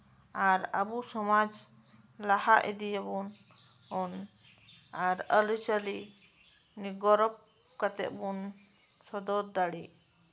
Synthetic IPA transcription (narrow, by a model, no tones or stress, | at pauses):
aɾa̰busɔmad͡ʒ | lahaʔḭd̪ijabun | ɔn | aɾəlut͡ʃəli | niɡɔɾɔp̚ | kat̪ɛ̰ʔ̪̚bun | sɔd̪ɔɾd̪aɽi